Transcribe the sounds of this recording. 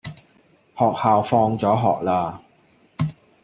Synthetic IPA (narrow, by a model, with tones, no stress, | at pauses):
hɔː˨k̚haː˨wfɔː˧ŋt͡sɔː˨˥ɦɔː˨k̚laː˧